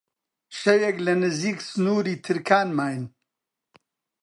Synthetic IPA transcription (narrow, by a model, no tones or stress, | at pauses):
ʃɐjɛklɐnɨziːksnuːɾiːt̪ʰɨɾkʰaːnmaːjn